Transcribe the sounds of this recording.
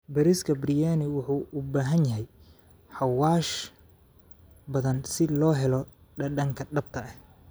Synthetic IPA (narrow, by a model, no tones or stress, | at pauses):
bɐɾɪskʰɐbrɪjaːnɪwʊħuːʔʊbaːɦɐnjɐɦɛj | ħɑwaːʃ | bɐðɐnsɪlɔːɦɛlɔ | ɖɐɖɐŋkʰɐɖɐb̚t̪ʰɐɐh